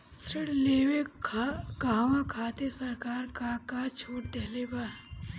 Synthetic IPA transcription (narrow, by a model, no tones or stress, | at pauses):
sɾɪɽleːwe | kaɦʋãkʰaːt̪esɐɾkaːɾkakat͡ʃʰoːʈd̪ɐɦleba